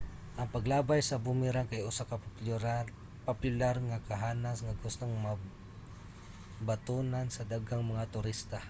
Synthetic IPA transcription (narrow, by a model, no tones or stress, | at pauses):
ʔɐŋpɐɡlaːbajsɐbʊmɪɾaŋkajʔʊsakɐ | popʊlaɾŋakɐɦaːnasŋaɡʊst̪oŋma | bat̪unansɐd̪aɡaŋmɐŋat̪ʊɾist̪a